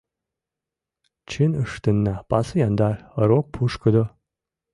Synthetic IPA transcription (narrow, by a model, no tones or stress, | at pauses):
t͡ʃʰinɨʂt̪ʰɨnːapʼasɨjand̪arəɾok̚pʰuʂkʰɨd̪o